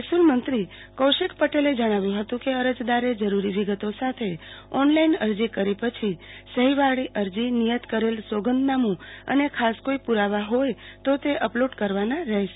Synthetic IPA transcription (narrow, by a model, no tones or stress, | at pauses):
esulmənt̪ɾi | kəwʃekpəʈeled͡ʒəɽ̃aʋjũɦət̪ũkeəɾəd͡ʒd̪aɾed͡ʒəɾuɾiʋiɡət̪osat̪ʰeɔnlainəɾd͡ʒikəɾipət͡ʃʰisəɦiʋaɭiʔəɾd͡ʒinijət̪kəɾelsoɡənd̪namũə̰nekʰaskoipuɾaʋaɦojt̪ot̪eʔəploɖkəɾʋanaɾəɦeʃ